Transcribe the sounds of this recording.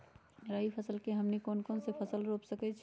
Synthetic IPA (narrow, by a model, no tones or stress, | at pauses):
ɾaːipʰəsəlkeɦɐmnikoːnkoːnsepʰəsəlɾoːpsəkɛt͡ʃʰ